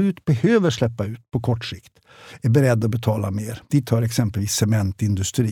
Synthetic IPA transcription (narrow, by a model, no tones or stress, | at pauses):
ʉːt̪bɛhøːvəʂlɛpːaʉ̟ːt̪pʰɔkʰɔʈːʂɪkt̪ | æɾbɛɾɛd̪ːɔbɛt̪ʰɑːlameːɾd̪̥iːt̪ʰːɑːɾɛksɛmpəlʋiːsːɛmɛnt̪ɪnd̪ɵst̪ɾiː